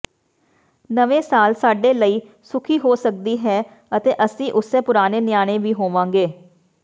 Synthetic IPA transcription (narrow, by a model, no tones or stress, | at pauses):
nəʋẽːsaːlsaːɖeːləiː | sʊkʰiːɦoːsək̚d̪iːɦɛː | ət̪eːʔəsĩːʔʊsẽːpʊɾaːneːnɪjaːɽ̃eːʋiːɦoːʋãːŋɡeː